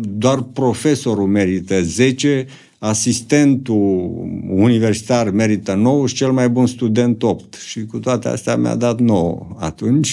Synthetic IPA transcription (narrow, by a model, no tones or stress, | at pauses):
d̪oarpɾo̞fe̞so̞ɾume̞ɾit̪əze̞t͡ʃe̞ | asist̪e̞nt̪uː | nive̞rsi̥t̪arme̞ɾit̪əno̞wʃi̥t͡ʃe̞lmajbunst̪ud̪e̞nt̪op̚t̪ʃikut̪oat̪ea̰st̪ea̰mja̰d̪at̪no̞o̰a̰t̪unt͡ʃʲ